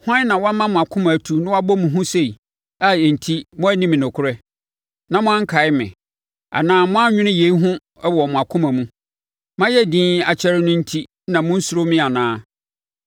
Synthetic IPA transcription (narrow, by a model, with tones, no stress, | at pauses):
hʊ˦ã˦n˦nã˨wɔ˦a˦mã˦mʊ̃˨a˨kʰʊ̃˦mã˨tʰu˨nɪ̃˦wa˦bɔ˦mʊ̃˨ɦʊ̃˦se˦i˨ | a˦˨ɛ˨n̩˨tʰi˦mʊ̃˦æ˦nĩ˦mɪ̃˨nʊ̃˨kʰʊ˦ɾɛ˦ | nã˨mʊ̃˦ã˦ŋ̩˦kʰa˨ɪ˦mɪ̰̃˨ | a̰˨nãː˨mʊ̃˦a˦ɲᶣʊ̃˦nɪ̃˦je˨i˦ɦʊ̃˦ | ɛ˦wɔ˨mʊ̃˨a˨kʰʊ̃˦mã˨mũ˦ | mã˦jɛ˦dĩː˦a˨t͡ɕʰɛ˦ɾɪ˦nʊ̃˦n̩˦tʰi˦ | nã˨mʊ̃˦n̩˦sʊ˨ɾo˦mɪ̃˦a˨nãː˦